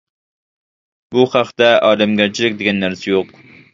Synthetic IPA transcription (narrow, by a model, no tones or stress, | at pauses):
buχɑqt̪ɛɑːlɛmɡʲæɾt͡ʃʰilɪkʲd̪eɡʲɛnːæɾsɛjoq